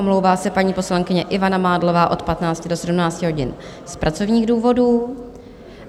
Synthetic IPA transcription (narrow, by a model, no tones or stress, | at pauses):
omlo̞wvaːsɛpaɲiːpo̞slaŋkɪɲɛʔɪvanamaːdlo̞vaːʔo̞t̪pat̪naːt͡scɪdosɛdumnaːt͡scɪɦo̞ɟɪ̰n | spɾʔat͡so̞vɲiːɣduːvo̞duː